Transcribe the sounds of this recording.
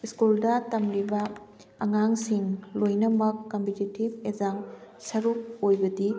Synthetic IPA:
iskuldɐtɐmɾibɐ | ɐŋaŋsiŋlojnɐmɐkːɐmpititib̚ezaŋsɐɾuk̚ojbɐdi

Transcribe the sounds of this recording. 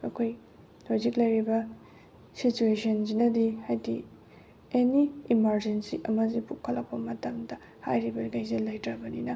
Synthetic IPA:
ɐkʰoj | tʰojziklɐjɾibɐ | situesɐnzinɐdihajdi | eniimɐɾd͡ʒensiʔɐmɐzipukʰɐlːɐk̚pɐmɐtɐmdɐ | ha̰jɾibɐɡajzelɐjtɾɐbɐninɐ

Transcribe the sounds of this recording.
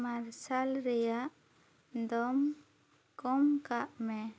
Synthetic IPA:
maɾsalɾɛjaʔ | d̪ɔm | kɔmkaʔmɛ

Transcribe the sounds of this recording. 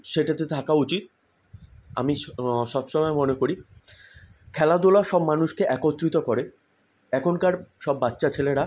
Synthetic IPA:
ʃeʈat̪et̪ʰakaut͡ɕit̪̚ | a̰miʃɔbʃɔmɔemonekoɾi | kʰɛlad̪olaʃɔbmanuʃkeʔɛkot̪ːɾit̪okɔɾe | ɛkʰonkaɾʃɔbːat̪ːɕat͡ɕʰeleɽa

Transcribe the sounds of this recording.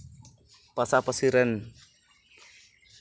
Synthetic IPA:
pasapəsiɾən

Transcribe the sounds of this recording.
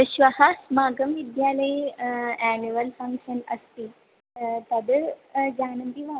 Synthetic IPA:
ɪʃʋahasmaːɡəmʋid̪jaːlə | ɛniʋɐlfɐ̃ŋkʃənɐ̰st̪iː | t̪ɐd̪d͡ʒaːnɐmb̪iʋaː

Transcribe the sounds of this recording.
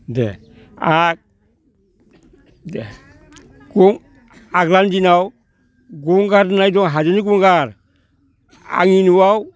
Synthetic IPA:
dɛ̰ | ak̚ | dɛ | ɡuŋ | aɡlandinaw | ɡuŋɡaɾnajdɔŋɦad͡ʒeniɡuŋɡaɾ | a̰ŋinuwaw

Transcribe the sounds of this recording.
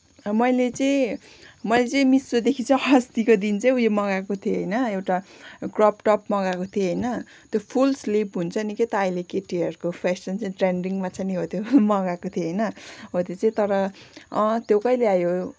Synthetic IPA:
mʌjlet͡sʌĩ | mʌjlet͡sʌĩmisod̪ekʰit͡sʌɦʌst̪ikod̪int͡sʌij̃ujemʌɡakot̪ʰjoɦʌjnʌewʈakrʌpʈʌpmʌɡakot̪ʰeɦʌjnʌ | t̪jopʰulslipɦunt͡sʰʌniket̪ʌːjlekeʈiʌrkopʰasʌnt͡sʌĩʈreɳɖiŋmat͡sʰʌniɦot̪ʰjomʌɡakot̪ʰjeɦʌjnʌɦot̪jot͡sʌĩt̪ʌɾʌ̃ | t̪jokʌjleajo

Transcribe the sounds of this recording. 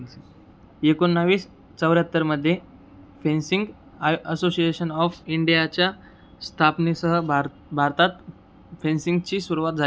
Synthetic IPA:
ekonːəʋiːs | t͡səwɾjat̪ːəɾməd̪ʱːje | fẽnsiŋɡ | əsosieɕənɔfiɳɖijat͡ɕja | st̪ʰapnisəɦəb | bʱaɾt̪at̪ | fẽnsiŋɡt͡ɕiːsuɾuʋat̪̚d͡za

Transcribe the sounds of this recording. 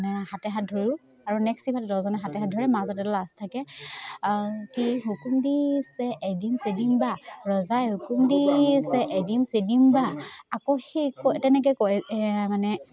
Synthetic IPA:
nɛhatɛɦat̚dʱoɹi | aɹunɛksipʰatɛdɔzɔnɛɦatɛɦadʱɔɹɛmazɔtɛdɔlastʰakɛ | kiɦukumdisɛʔedimsedimbaɹɔzajɦukumdisɛʔedimsedimbaakoxikɔtɛnɛk̬ɔɛjkɔmanɛ

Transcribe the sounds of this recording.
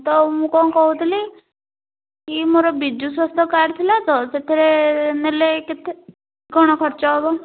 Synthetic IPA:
t̪ɔmũkɔ̃kɔɦũt̪ʰili | kimoɾɔbid͡ʒuswɔst̪ʰɔkaɾt̪ʰilat͡sɔset̪ʰiɾeneleket̪e | ɡʱɔɽ̃ɔkʰɔɾt͡ʃɔɦɔbɔ

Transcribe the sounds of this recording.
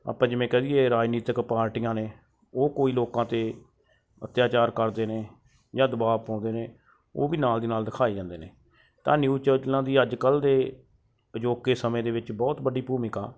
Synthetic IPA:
a̰ːpãːd͡ʒɪmẽːkɛd̪iːeːɾaːd͡ʒniːt̪əkpaːɾʈijãːneː | oːkoːiːloːkãːt̪eː | ət̪jaːt͡ʃaːɾkəɾd̪eːneː | d͡ʒãːd̪ʊbaːpãːʊ̃nd̪eːneː | oːbiːnaːld̪iːnaːld̪ɪkʰaːiːd͡ʒãːnd̪eːneː | t̪ã̰ːnjuːt͡ʃəːd͡ʒlãːd̪iːəd͡ʒkəld̪eː | əd͡ʒoːkeːsəmẽːd̪eːʋɪt͡ʃbɔːt̪bəɖiːpuːmɪka̰ː

